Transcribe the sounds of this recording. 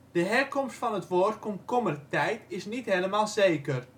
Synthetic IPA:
d̥əɦɛrkɔmstfɑnətʋoːrtkɔmkɔmərtɛjtɪsnitɦeləmaːlˠzeːkər

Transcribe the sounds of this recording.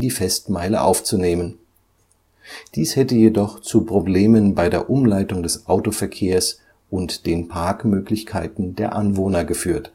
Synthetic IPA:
diːfɛstmaɪlə̰ʔa̰ʊft͡suneːmən | d̥iːshɛtəjedɔχt͡supʁ̥obleːmənbaɪdeːɐʔʊmlaɪtʊŋdɛsʔaʊtofɛɐkʰeːɐs | ʔʊntd̥eːnpʰaɐkmøːklɪçkʰaɪtn̩deːɐʔanvoːnɐɡəfyːɐt

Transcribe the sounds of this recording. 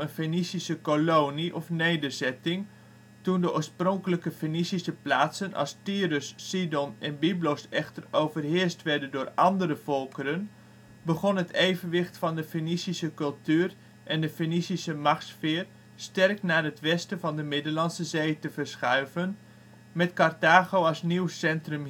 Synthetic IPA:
ənfenisisəkolowniʔɔfnejdəɹzɛtɪŋ | tundəʔo̰ːɹsprɔŋkələkəfenisisəplaːtsənʔɑ̰lˠstiːɾʏsːidɔnɛnbiblosɛχtərowvərɦɪːɹstʋɛɹdəndʊːɹɑndəɾəv̥ɔlˠkəɾən | bəχɔnɦətejvənʋɪχtfɑndəfinisisəkɵlˠtyːr | ʔɛndəfenisisəmɑχtsfɪːr | stɛrknaːətʋɛstəvɑndəmɪdəlɑnsəzejtəvəɹsχœɥvən | mɛtkɑrtaːɣowɑlˠsniwsɛntrɵm

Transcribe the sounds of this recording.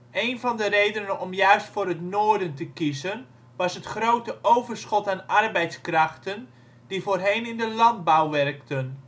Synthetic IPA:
ejnvɑndərejdənənɔmjœɥstfʊːrətnoːdəntəkizən | ʋɑsɦətχrowtəʔowvərsχɔtaːnɑrbɛjtskrɑχtən | divoːrɦejnɪndəlɑnd̚bawʋɛrktən

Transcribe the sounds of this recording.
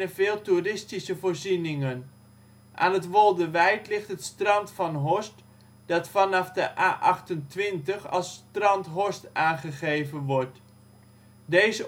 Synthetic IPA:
əvɪːlˠturɪstisəvʊːɹzinɪŋən | ʔa̰ːnɦətʋɔlˠdəʋɛjtlɪχtɦətstrɑntfɑnɦɔst | d̥ɑtfɑnɑfdəʔaːʔɑχtəntʋɪntəχɑ̰lˠstrɑntɦɔstaːnχəχejvənʋɔɹt | dejzə

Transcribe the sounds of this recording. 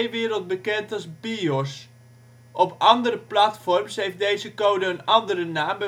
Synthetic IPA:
ʋɪːɾəlˠt̚bəkɛntɑlˠzbiɔs | ʔɔpɑndərəplatfɔrmsɦejft̚dejzəkowdəənɑndərənaːmbə

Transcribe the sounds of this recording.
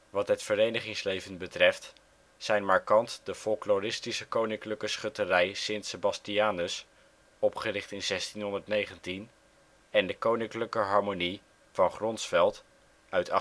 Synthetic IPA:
ʋɑtɦətfəɾejnəχɪŋslejvənbətrɛft | sɛjnmɑɹkɑntdəfɔlˠklorɪstisəkownɪŋkləkəsχɵtərɛjsɪntsəbɑstiaːnəs | ɔpχərɪχtɪnzɛstinɦɔndəɹtnejχəntin | ɛndəkownɪŋkləkəɦɑɹmoni | v̥ɑnχrɔnsfɛlˠt | œɥtɑ

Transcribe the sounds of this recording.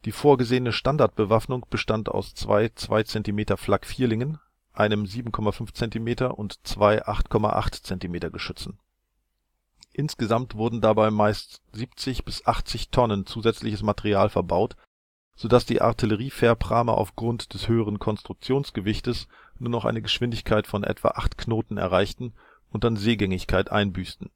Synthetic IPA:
d̥iːfoːɐɡəzeːənəʃtandaɐt̚b̥əvafnʊŋb̥əʃtanta̰ʊst͡sv̥a̰ɪt͡sv̥a̰ɪt͡sɛntimeːtɐflakfiːɐlɪŋən | ʔaɪnəmziːbm̩kʰɔmafʏnft͡sɛntimeːtɐʔʊntt͡sv̥aɪʔaχtkʰɔma̰ʔa̰χtt͡sɛntimeːtɐɡəʃʏt͡sn̩ | ʔɪnsɡ̥əzamtv̥ʊɐdn̩dabaɪmaɪstz̥iːpt͡sɪçb̥ɪsʔaχt͡sɪçtʰɔnənt͡suːzɛt͡slɪçəsmatɛʁiaːlfɛɐbaʊt | z̥oːdasd̥ḭːʔa̰ʁtʰiləʁ̞iːfɛːɐpʁ̥aːmɐ̰ʔa̰ʊfɡ̥ʁʊntd̥ɛshøːəʁ̞ənkʰɔnstʁ̥ʊk̚t͡sjoːnsɡ̥əvɪçtəs | nuːɐnɔχʔa̰ɪnəɡəʃv̥ɪndɪçkʰaɪtfɔnʔɛ̰tv̥a̰ʔaχtkʰnoːtn̩ɛ̰ɐʁaɪçtn̩ | ʊnt̚d̥anzeːɡɛŋɪçkʰaɪtʔa̰ɪnbyːstn̩

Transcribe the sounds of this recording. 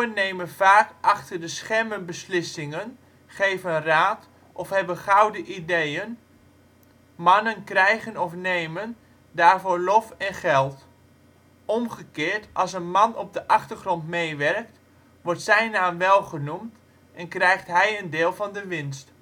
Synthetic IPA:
ənːejmənv̥aːkʔɑχtərdəsχɛmənbəslɪsɪŋən | χejvənraːt | ʔɔfɦɛbənχɑwdəʔidejən | mɑnənkrɛjχənɔfneːjmən | daːɹvoːɹlɔfɛnχɛlˠt | ɔmχəkɪːɹtʔɑlˠsənmɑnɔb̚dəʔɑχtərχrɔntmejʋɛrk̚t | ʋɔrtsɛjnaːmʋɛlˠχənumt | ʔɛnkrɛjχtɦɛjəndɪːlˠvɑndəʋɪnst

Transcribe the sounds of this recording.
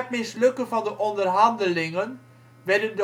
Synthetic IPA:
ət̚mɪslɵkənvɑndəʔɔndərɦɑndəlɪŋən | ʋɛdənd

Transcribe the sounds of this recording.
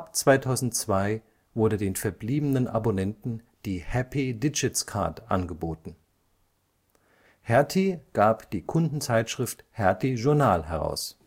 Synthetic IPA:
ʔapt͡sv̥aɪtʰaʊzn̩tt͡sv̥aɪ | vʊɐdədeːnfɛɐbliːbənənʔa̰bonɛntn̩ | d̥iːhɛpʰidɪd͡ʒɪtskʰa̰ɐtʔa̰nɡəboːtn̩ | hɛɐtʰiɡ̥aːpd̥iːkʰʊndn̩t͡saɪtʃʁ̥ɪfthɛɐtʰiʒʊɐnaːlɦɛʁa̰ʊs

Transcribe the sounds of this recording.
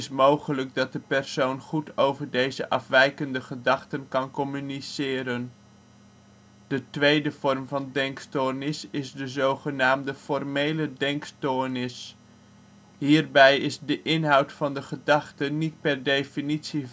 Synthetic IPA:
ɪsmowχələk̚dɑt̚dəpɛrsownχutʰowvəɹdejzəʔɑfʋɛjkəndəχədɑχtənkɑnkɔmynisɪːɾən | d̥ətʋejdəv̥ɔrmvɑndɛŋkstonɪsɪzdəzowχənaːmdəfɔrmejlədɛŋkstonɪs | ɦiːrbɛjɪzdəʔɪnɦɑwtfɑndəχədɑχtənit̚pɛrdejfinitsi

